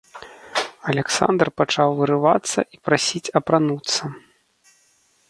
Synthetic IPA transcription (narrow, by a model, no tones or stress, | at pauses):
ɐlʲɛksa̰nd̪rpat͡ʂawvɨɾɨva̰t̪sːɐ̰ʔipɾasʲit͡sʲɐpɾanut̪sːɐ